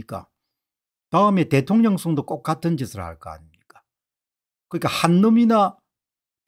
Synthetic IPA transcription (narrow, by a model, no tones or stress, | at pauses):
ik͈a̰ | taɯme̞te̞tʰoŋɲʌŋsʰoŋdok͈ok̚k͈atʰɯnd͡ʑisʰɯɭha̰ɭk͈a̰a̰ɲimɲik͈ḁ | kɯɲik͈ahanːɯmina